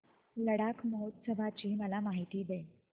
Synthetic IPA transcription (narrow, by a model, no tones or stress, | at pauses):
ləɽakməɦot̪səbʱat͡ɕiːməlamaɦit̪iːd̪e